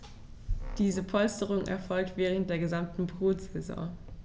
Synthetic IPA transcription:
d̥iːzəpʰɔlstəʁ̞ʊŋʔɛ̰ɐfɔlk̚tv̥ɛːʁ̞əntd̥eːɐɡəzamtn̩bʁoːtz̥ezɔ̰̃ː

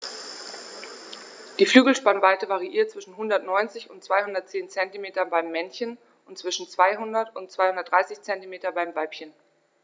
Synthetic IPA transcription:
d̥iːflyːɡl̩ʃpanvaɪtəvaʁiʔiːɐt̚t͡sv̥ɪʃn̩ɦʊndɐtnɔʏnt͡sɪçʊntt͡sv̥aɪhʊndɐt̚t͡seːnt͡sɛntimeːtɐbaɪmːɛnçən | ʊntt͡sv̥ɪʃn̩t͡sv̥aɪɦʊndɐtʊntt͡sv̥aɪhʊndɐtd̥ʁaɪsɪçt͡sɛntimeːtɐbaɪmvaɪpçən

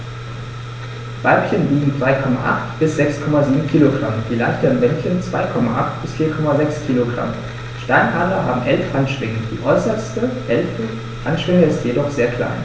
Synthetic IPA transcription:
v̥aɪpçəndiːɡŋ̩dʁ̥aɪkʰɔma̰ʔa̰χtb̥ɪsz̥ɛkskʰɔmaziːbm̩kʰiːloɡʁa̰md̥iːla̰ɪçtɐənvɛnçənt͡sv̥aɪkʰɔmaʔaχtb̥ɪsfiːɐkʰɔmazɛkskʰiːloɡʁa̰m | ʃtaɪnhaːʁɐɦaːbm̩ʔɛlfʔanʃv̥ɪŋəd̥ḭːʔɔʏsɐstəʔɛlfə | ʔanʃv̥ɪŋəɪstjedɔχz̥eːɐkʰl̥a̰ɪn

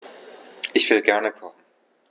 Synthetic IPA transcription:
ʔɪçv̥ɪlɡɛɐnəkʰɔχn̩

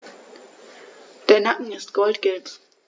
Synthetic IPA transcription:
d̥eːɐnakŋ̩ɪstɡ̥ɔltɡ̥ɛlt

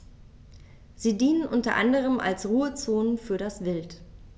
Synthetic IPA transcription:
ziːdiːnənʔʊntɐʔa̰ndəʁ̞əma̰lsʁuːət͡soːnfyːɐɾasv̥ɪlt

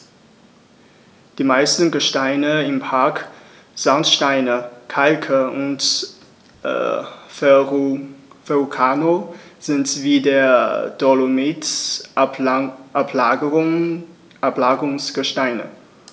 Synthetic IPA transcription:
d̥iːmaɪstn̩ɡəʃtaɪnəɪmpʰaɐk | z̥antʃtaɪnəkʰalkʰəʊnt | fɛʁukʰaːnoz̥ɪntviːdeːɐd̥olomit | ʔapʰlaəʁʊ | ɛɐplaːɡəʁʊŋsɡ̥əʃtaɪnə̰

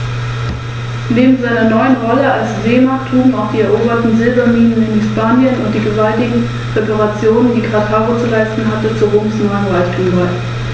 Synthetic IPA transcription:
neːbm̩zaɪnɐnɔʏənʁɔləalsz̥eːmaktʰuːmaʊxd̥iːɛɐʔoːbɐtn̩zɪlbɐmiːnənɪnhɪspaːnjənʊ̰nt̚d̥iːɡəvaltɪɡŋ̩ | ʁepaʁat͡sjoːnəndiːɡʁ̥atʰhaːʁot͡sulaɪstn̩ɦatət͡suʁoːmsnɔʏənʁaɪçtʰuːmvaɪ

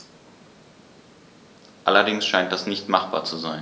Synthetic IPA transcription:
ʔalɐdɪŋsʃaɪnt̚d̥asnɪçtmaχb̥a̰ːt͡suzaɪn

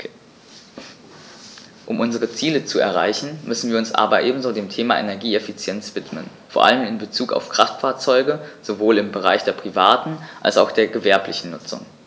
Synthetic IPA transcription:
ʔʊmʔʊnzəʁ̞ət͡siːlət͡suɛ̰ɐʁ̞a̰ɪçn̩mʏsn̩viːɐʊnsʔa̰ːbɐʔeːbm̩zoːdeːmtʰeːmaʔḛnɛɐɡiːɛfit͡sjɛnt͡sv̥ɪtmə̰n | foːɐʔa̰ləmɪnbət͡suːka̰ʊfkʁ̥aftfaːɐt͡sɔʏɡəz̥ovoːlɪmbəʁ̞a̰ɪçd̥eːɐpʁ̥ivaːtn̩ʔa̰lsa̰ʊxd̥eːɐɡəvɛɐplɪçn̩nʊt͡sʊ̰ŋ

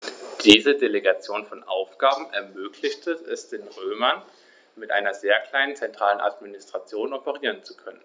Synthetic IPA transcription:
d̥iːzədeleɡat͡sjoːnfɔnʔa̰ʊfɡ̥aːbm̩ɛɐmøːkʰlɪçtʰəɛsd̥eːnʁøːmɐn | mɪtʔa̰ɪnɐzeːɐkl̥aɪnənt͡sɛntʁ̥aːlənʔa̰tminɪstʁ̥at͡sjoːnɔpəʁ̞iːʁənt͡su̥kʰœnən

